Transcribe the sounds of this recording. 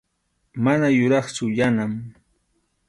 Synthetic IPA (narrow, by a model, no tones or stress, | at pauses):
manajʊɾɑχt͡ʃʊjanam